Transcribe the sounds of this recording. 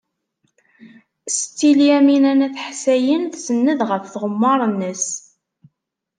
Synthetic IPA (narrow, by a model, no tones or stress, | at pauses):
st̪ːiljæminænæθħsæjənθsənːəðʁəfθʁəmːɑɾˤənːəs